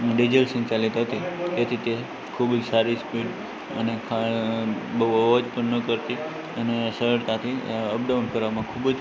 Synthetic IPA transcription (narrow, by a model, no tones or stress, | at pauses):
ɖid͡ʒəlsə̃nt͡ʃalit̪ɦət̪it̪et̪ʰit̪e | kʰubd͡ʒsaɾispiɖ | ənekʰa | bəəʋad͡ʒpəɳnəkəɾt̪i | ənesəɾəɾt̪at̪ʰiəb̚ɖəʋnpʰəɾamãkʰubd͡ʒ